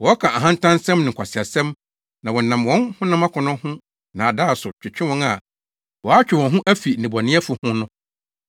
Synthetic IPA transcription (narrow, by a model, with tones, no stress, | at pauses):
wɔ˨˦ɔ˦kʰã˨ʔa˨ɦã˦n̩˦tʰã˦nsɛ̃˦mnɪ̃˨ŋ̩˨kʷʰa˨sɪ˨a˨sɛ̃˦m | nã˨wɔ˨nã˨mwɔ̃˦nhʊ̃˦nã˦mã˦kʰʊ̃˨nʊ̃˦hʊ̃˦ | nã˨a˨da˦˨sʊ˨t͡ɕᶣɪ˨t͡ɕᶣɪ̃˦wɔ̃˦na˨ | wɔ˨a˦t͡ɕᶣɪ˨wɔ̃˨nɦʊ̃˦ʔæ˦fi˨nĩ˨bɔ˨nɪ̃˦ɛ˦fʊ˨hʊ̃˦nʊ̃˦